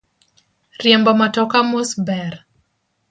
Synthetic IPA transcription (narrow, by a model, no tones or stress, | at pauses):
rjɛmbɔmatɔkamɔsbɛɾ